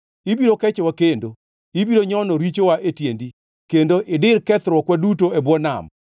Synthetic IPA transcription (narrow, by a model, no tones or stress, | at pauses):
ibiɾokɛt͡ʃɔwakendo | ibiɾoɲɔnɔɾit͡ʃowaʔetjendi | kendoʔɪdɪɾkɛt̪ɾwɔkwadutoebwɔna̰m